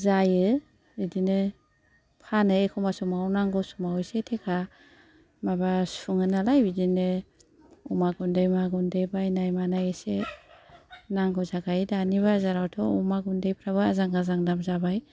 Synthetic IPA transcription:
zajɯ | idinɯ | pʰanɯekʰɔmasumawnaŋɡɯsumawɔjsetʰekʰa | mabasuŋɯnalajbidinɯ | umaɡundɯjmaɡundɯjbajnajmanajɯse | naŋɡɯzaɡajdaniβazaɾawtʰɔumaɡundɯjpʰɾaβɯazaŋɡazaŋdamzabaj

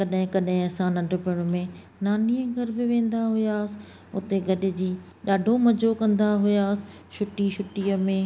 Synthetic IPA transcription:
kɐɗɦɪ̃kɐɗɦɪ̃ɐsãnɐ̃ɖʊpɪʊɽ̃ʊmẽ | naːniə̃ɡʱɐɾbɪʋẽːn̆d̪aɦʊjaːsɪ̥̆ | ʊ̰t̪eɡʱɐɗɪ̆d͡ʑiː | ɗaːɖʱomɐd͡ʑʱokɐ̃nd̪aɦʊjaːsɪ̥ʃʊʈiʃʊʈiːəmẽː

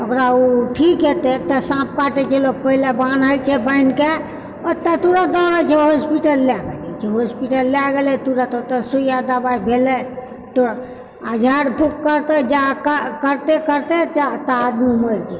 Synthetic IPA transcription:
əkɾauʈʰikɦet̪et̪əsãp̚kaʈet͡ʃʰeloɡ̚pəɦilebanəjt͡ʃʰɛbəɪnke | ɔt̪ət̪uɾad̪ɔɽət͡ʃʰeɦospiʈəlːeaɡed͡ʒa̰t͡ʃʰeɦospiʈəlːaɡelɛt̪uɾat̪ot̪əsujad̪abaibʱelɛ | t̪oɾ | əd͡ʒʱaɾbʱukːəɾt̪əd͡ʒakəkəɾt̪ekəɾt̪et͡ʃat̪əːd̪miməɾt͡ʃʰɛ

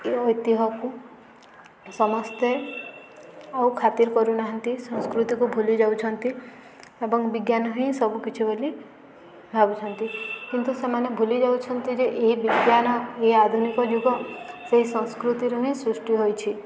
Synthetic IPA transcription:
ɔjt̪iɦɔku | sɔmɔst̪e | awkʰat̪iɾkɔɾunaɦʌnt̪isɔ̃skɾut̪ikubʱulid͡ʒawt͡ʃʰɔnt̪i | ebɔŋbiɡjanɔɦĩsɔbukit͡ʃʰibeli | bʱabut͡ʃʰɔnt̪ikint̪usemanebʱulid͡ʒawt͡ʃʰɔnt̪id͡ʒeʔeɦibiɡjanɔead̪ʱunikɔd͡ʒuɡɔseɦisɔ̃skɾut̪iɾunĩsɾusʈiɦojt͡ʃʰi

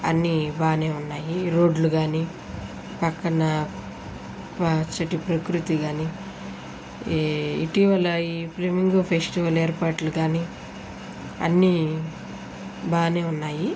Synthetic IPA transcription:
ɐ̰nːibaːne̞ːunːaːjiɾoːɖluɡaːni | pɐkːɐnɐ | pat͡ʃːɐʈipɾɐkɾut̪iɡaːni | ḭʈiːʋɐlɐiːplemiŋɡopʰesʈiʋɐleːɾpaːʈluɡaːni | ɐ̰nːi | baːne̞ːunːaːji

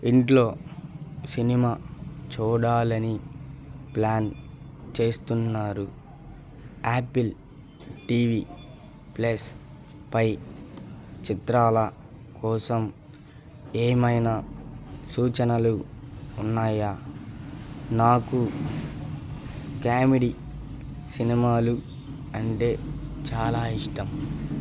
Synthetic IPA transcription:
iɳʈlo̞ː | sinimaːt͡ʃuːɽaːlɐni | plaːn | t͡ʃe̞ːst̪unːaːɾu | aːpil | ʈiːʋi | plɐs | pɐj | t͡ʃit̪ɾaːlɐ | kɔːsɐm | eːmɐjnɐ | suːt͡ʃɐnɐluːnːaːja | naːku | kaːmiɽi | sinimaːlu | ɐɳʈe̞ːt͡ʃaːlaːiʂʈɐm

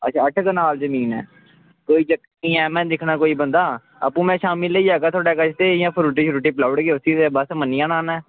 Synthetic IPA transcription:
ə̰t͡ʃʰaːəʈʰkənaːlzəmiːnɛ̰ː | koːiːt͡ʃəkː | iːɛ̃ːmɛ̃ːd̪ɪkʰnaːkoːiːbənd̪aː | ə̰pũːmɛ̃ːʃaːmɪleid͡ʒaːɡaːt̪ʰoːɽaːkət͡ʃʰt̪eːɪjãːpʰːɾuːʈ̬iːʃɾuːʈiːplaːʊɽɡeːʊsiːseːbəsmənɪjãːnaːnɛ̃ː

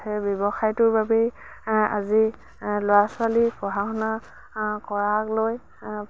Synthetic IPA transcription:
ɛbjɔbɔxajtʊɹbabɛ | a̰zi | lojasʊwalipɔɦaxɔna | kɔɹakloj

